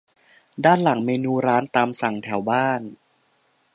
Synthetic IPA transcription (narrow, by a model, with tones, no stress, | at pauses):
daː˥˩nla˩˦ŋmeː˧nuː˧ɾaː˦˥nt̪aː˧msa˨˩ŋt̪ʰɛ˩˦wbaː˥˩n